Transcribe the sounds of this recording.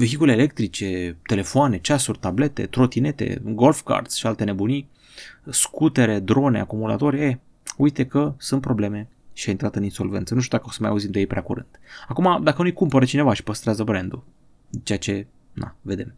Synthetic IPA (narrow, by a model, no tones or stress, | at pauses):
ve̞ɦikule̞ːle̞k̚t̪ɾit͡ʃe̞t̪e̞le̞foane̞t͡ʃasurʲt̪able̞t̪e̞̰t̪ɾo̞t̪ine̞t̪ḛɡo̞lfka̰rt̪sʃialt̪e̞ne̞buni | skut̪e̞ɾe̞d̪ɾo̞ne̞̰akumula̰t̪o̞ɾʲe | ujt̪e̞kəsunt̪pɾo̞ble̞me̞ | ʃiajint̪ɾat̪ɨninsolvent̪sənuʃt̪jud̪akəosəmaja̰uzimd̪ejejpɾʲeakuɾɨ̰nd̪̥akumad̪akənujkumpəɾət͡ʃine̞vaʃi̥pəst̪ɾeazəbɾend̪u | t͡ʃe̞jat͡ʃe̞ | na̰ve̞d̪e̞̰m